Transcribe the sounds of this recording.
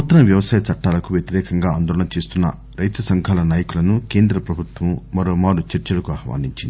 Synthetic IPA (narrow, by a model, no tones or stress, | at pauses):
ut̪ːɐnɐʋjɐʋɐsaːjɐt͡ʃɐʈːaːlɐkuʋjet̪iɾɛːkɐŋɡaːnd̪ɔːɐɳɐt͡ʃe̞ːst̪unːɐ̰ | ɾɐjt̪ɐsɐŋkʰaːlɐnaːjɐkulɐnuke̞ːnd̪ɾɐpɾɐbʱut̪ʋɐmmɐɾoːmaːɽut͡ʃɐɾt͡ʃɐlɐkuɐhɐʋa̰ːniɲt͡ʃind̪i